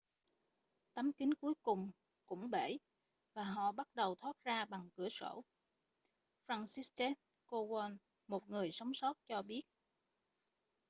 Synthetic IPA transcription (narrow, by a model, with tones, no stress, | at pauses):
t̪ə˨˦mkï˨˦ŋku˨˦əjkʊ˨˩ŋ͡m | kʊ̰˧˥ŋ͡mɓe˧˩ | vaː˨˩ɦɔ̰˧˨ɓa˦˥t̚ɗə˨˩wt̪ʰwaː˦˥t̚zaː˧ɓa˨˩ŋkɨ˧˩əso̰˧˩ | fɾaː˧nsi˦˥stɛ˦˥n | ko˧ɣa˧n | mo˨˩t̚ŋɨ˨˩əjsɔ˨˦wŋ͡msɔ˦˥t̚t͡ɕɔ˧ɓi˦˥ət̚